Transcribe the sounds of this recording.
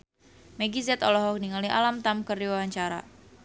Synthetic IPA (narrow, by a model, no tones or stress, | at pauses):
meɡizɛt̪ɔlɔɦɔk̚niŋaliʔa̰lamt̪amkəriwawaɲt͡ʃaɾa̰